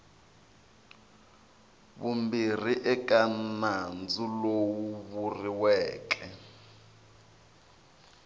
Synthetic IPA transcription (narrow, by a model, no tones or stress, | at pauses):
βumbir̤iʔɛk̬anand͡zulowuβuriwɛːk̬ɛ